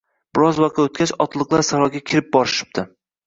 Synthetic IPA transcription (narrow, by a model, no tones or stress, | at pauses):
b̥ɪɾɒzwaqɑot̪̚kʲat͡ʃɒ̰t̪lˠɨqlˠaɾsaɾɒɡʲakʲʰɪɾɪp̚bɒɾɪʃɪ̥p̚t̪ʰɪ